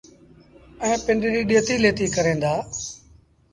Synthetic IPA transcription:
ɛ̃ːpɪ̃ɳɖɾiːɗeːt̪iːleːt̪iːkəɾẽːnd̪aː

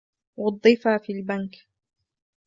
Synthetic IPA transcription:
wɑd̪ˤːɨfafiːlbank

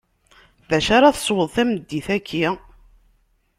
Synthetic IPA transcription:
ðæʃaɾaθə̥sˤwəðˤθæməd̪ːiθækʰːi

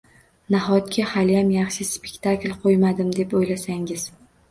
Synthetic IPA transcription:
naɦɒt̪̚kʲʰahalɪjamjɑχʃɪspekʲt̪ʰaklʲqʰojmad̪ɪmd̪e̞pojlasaŋɪz̥

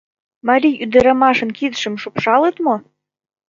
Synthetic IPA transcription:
mɑɾʲijyd̪ə̆ɾɑmɑʃɤ̆nkid̪ʃə̆mʃupʃɑlət̪mo

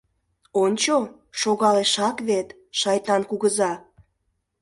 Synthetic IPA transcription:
onʲt͡ɕo | ʃoɣɑleʃɑkβet̪ | ʃɑjt̪ɑnkuɣəzɑ

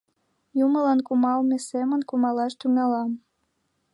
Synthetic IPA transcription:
juməlɑnkumɑlmesemənkumɑlɑʃt̪yŋɑlɑm

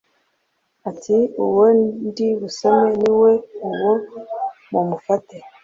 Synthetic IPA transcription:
atʰiuwonndiβusemeniweuwomumufate

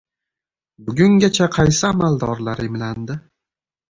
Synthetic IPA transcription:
bʊɡʲʊŋɡʲat͡ʃʰaqʰɑjsɪamald̪ɒɾlaɾɪmland̪ɪ

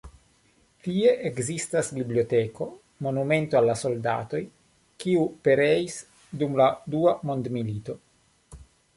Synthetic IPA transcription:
t̪ie̞ʔekzist̪asbibliot̪eko̞ | mo̞nume̞nt̪oalːaso̞lda̰t̪o̞j | kiupe̞ɾeis | dumlad̪uamo̞nd̪milit̪o̞

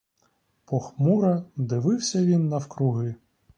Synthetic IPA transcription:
pɔxmuɾɐd̪ɪʋɪwsʲɐʋʲinːɐwkɾʊɦɪ

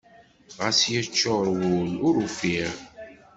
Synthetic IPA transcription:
ʁasjæt͡ʃːoɾwʊlʊɾufiɾ

